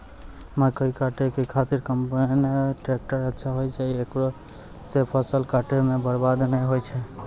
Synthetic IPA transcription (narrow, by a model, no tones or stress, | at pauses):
makəikaʈekəkʰat̪iɾkəmpaineʈɾek̚ʈəɾətːʃʰaɦojt͡ʃʰɛiekɾo | sepʰəsəlkaʈemebəɾbad̪nəɦojt͡ʃʰɛ